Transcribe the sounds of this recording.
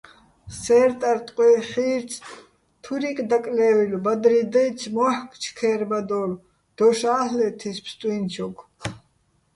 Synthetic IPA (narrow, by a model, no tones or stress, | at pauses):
sɛːɾt̪ʼaɾt̪ʼqʼwɛχiːɾt͡sʰ | t̪ʰuɾikʼd̪akʼlɛːvilbad̪ɾid̪ɛjt͡sʰmɔħkʰʼt͡ʃʰkʰɛːɾbad̪ɔl | d̪̥ɔʃaːhlɛt̪ʰispʰst̪ʼwint͡ʃʰɔkʰ